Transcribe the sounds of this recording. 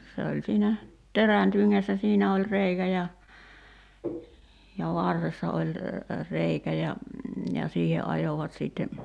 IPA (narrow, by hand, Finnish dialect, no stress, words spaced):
se olʲ siːnæ teræn tyŋːæsːæ siːnæ olʲ reikæ jɑ jɑ ʋɑrːesːɑ olʲ reikæ jɑ jɑ siːhe ʔɑjoʋɑt siːtːe